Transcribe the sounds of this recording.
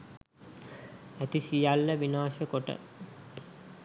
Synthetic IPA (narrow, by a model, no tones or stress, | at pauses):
æt̪isijalːəʋinaːʃəkoʈə̰